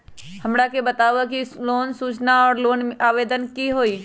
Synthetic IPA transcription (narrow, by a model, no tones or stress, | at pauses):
həmɽakebət̪aːʋakiloːnsuːt͡ʃnaɔːɾloːnaːʋeːd̪ənkiɦoːiː